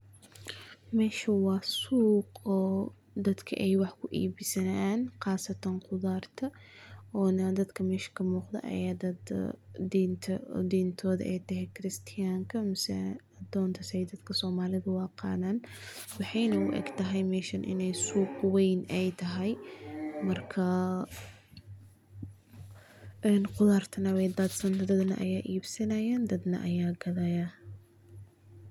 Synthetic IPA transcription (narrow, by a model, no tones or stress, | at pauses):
mɛːʃɐwɑːsuːqɔː | d̪ɐd̪kʰɐ̰ʔɛjwɑħkʰʊʔḭːbɪsɐnaaːnqɑːsɐt̪ʰɐnqʊðaːrt̪ʰɐʔɔːnɐd̪ɐd̪kʰɐmɛːʃɐ̥kʰɐmuːqd̪ɐ̰ʔɐ̰jaːd̪ɐd̪̰ | t̪ʰd̪iːnt̪ʰɔːðɐ̰ʔɛjt̪ʰɐɦɛjkʰɪɾɪst̪ʰɪjaːŋkʰɐmɪsɛ | d̪ɔːnt̪ʰɐsɛjd̪ɐd̪kʰɐsɔːmaːlɪðɐwɑːqɑ̰ːnaːnwɑħɑjnɐʊʔɛ̰ɡt̪ʰɐɦɛjmɛːʃɐnʔɪ̰nɛjsuːqwɛjnɛjt̪ʰɐɦɛjmɐrkʰɐ | ɛnqʊlaːrt̪ʰɐnɐwɛjd̪aːd̪sɐnt̪ʰɐd̪ɐd̪nɐ̰ʔɐ̰jaːʔiːbsɐnɐjaːnd̪ɐd̪nɐ̰ʔɐjaːɡɐðɐja